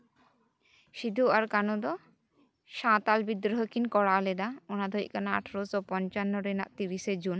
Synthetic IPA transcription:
ʃid̪ʱuaɾkanud̪ɔ | ʃãt̪albid̪ɾɔɦɔkinkɔɽaled̪aɔnad̪ʱɔjʔkanaa̰ʈʰɾosɔpɔnt͡ʃanːɔɾena̰ʔt̪iɾised͡ʑun

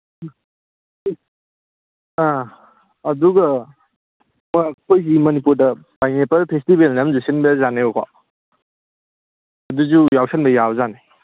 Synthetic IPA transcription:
aː | duɡɐ | maakojs̬imɐnipuɾdɐb̥ajŋepɐɾpʰestibelnamzusinbezaneokʰa̰ | ɐduzujawsɐnbɐjawzane

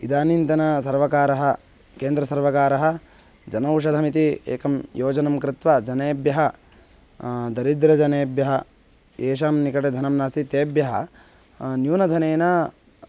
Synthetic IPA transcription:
id̪aːnint̪ɐnɐsɐɾʋɐkaːɾɐɦɐ | keːnd̪ɾɐsɐɾʋɐkaːɾɐɦɐ | d͡ʒɐnɐuʂ̬ɐd̪ʱɐmit̪iḛːkɐmjoːd͡ʒɐnɐmkɾɪt̪ʋɐd͡ʒɐneːbjɐɦɐ | d̪ɐɾid̪ɾɐd͡ʒɐneːbjɐɦɐ | eːʃ̬aːmnikɐʈed̪ʱɐnɐmnaːst̪it̪eːbjɐɦɐ̰ | njuːnɐd̪ʱɐneːnɐ

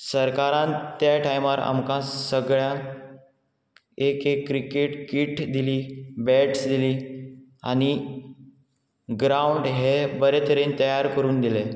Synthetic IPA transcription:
səɾkaɾãnt̪ːjaʈʰajmaɾa̰mkãsəɡɭjã | ekekːɾikeʈkiːʈd̪iliːbɛʈsd̪iliː | a̰ñi | ɡɾauɳɖɦebəɾɛt̪əɾent̪əjaɾkəɾuːnd̪ile

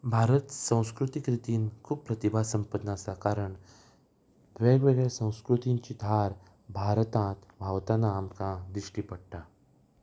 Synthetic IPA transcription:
bʱaɾət̪sə̃w̃skɾut̪ikɾit̪iːnkʰuːb̚pɾət̪ibʱasəmpəd̪naasakaɾəɳ | ʋeɡʋeɡɭesə̃w̃skɾut̪iɲt͡ɕiːd̪ʱaɾ | bʱaɾt̪ãt̪bʱaʋt̪anaːmkãd̪ɾiʂʈiːpəɽ̚ʈa

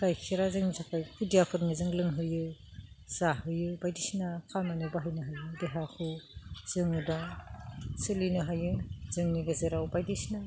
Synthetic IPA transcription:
kajkʰiɾazɯŋnizʰakʰajkʰudijapʰɯɾnɯzɯŋlɯŋɦɯjɯ | z̥ahɯjɯbajdisnakʰamanɯbaɦajnɯɦajɯdeɦakʰɯz̥ɯŋuda | sɯlinɯɦajɯz̥ɯŋniɡɯzeɾawbajdisna

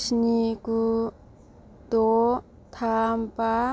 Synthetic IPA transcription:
sniku | t̪o | t̪ʰampa

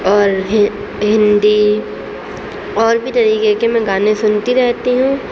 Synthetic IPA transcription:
ɔːɾɦ | ɦɪ̃nd̪i | ɔːɾbʱit̪ɐɾiːkekemɛ̃ɡaːnẽsʊnt̪iɾɛɦt̪iɦũː

